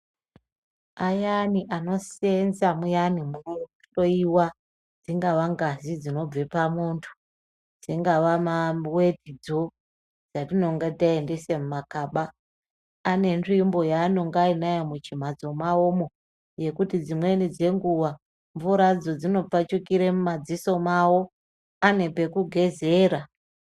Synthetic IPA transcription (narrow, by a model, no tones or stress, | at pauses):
ajaniʔano̞senzamujanimuo | oiwa | d͡ziŋɡaʋaŋɡazid͡zino̞b͡ve̞pamuntʰu̥ | d͡ziŋɡaʋamawe̞tid͡zo̞ | d͡zatino̞ŋɡataende̞semumakaːɓaː | ne̞nrimbo̞jaːno̞ŋɡainajomut͡ʃim̤ad͡zo̞maomo̞ | je̞kutid͡zimwe̞nid͡ze̞ŋɡuwa | ɱvuɾad͡zo̞d͡zino̞p͡fat͡ʃukiɾemumad͡ziso̞mawo̞ | ane̞pe̞kuɡʱe̞ze̞ːɾa